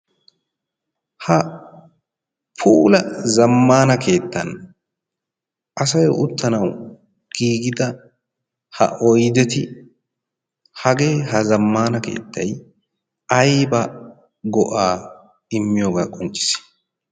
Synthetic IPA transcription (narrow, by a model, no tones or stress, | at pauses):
hɐ | pʰuːlɐzɐmːaːnɐkʰe̞ːt̪ːɐn | ʔɐs̬ɐjɔʔʊt̪ːɐnɐw | ɡ̥iːɡɪd̪ɐ | hɐ̰ʔɔjd̪ɛt̪ɪ | hɐɡe̞ːɦɐzɐmːaːnɐke̞̰ːt̪ːɐj | ɐjbɐ | ɡɔʔaː | ɪmːɪjoːɡaːkʼɔnt͡ʃʼːɪ̥s